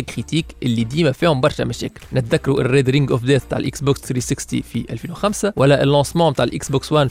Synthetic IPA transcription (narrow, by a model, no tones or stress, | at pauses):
æɡxit̪iːkʔelːid̪iːmæfiːhombɑɾˤʃæmæʃæ̰ːkɪlnɪt̪ðækːɑɾuʔerːeːd̪ɾiŋɡʔofd̪æːt̪̚bet̪a̰ːʕelʔiksboksθɾisɪkst̪ḭfiʔæ̰lfiːnwexæmsæwælːæʔelːɑ̃ːsmɑ̃ːbet̪aːʕlʔiksbokswæn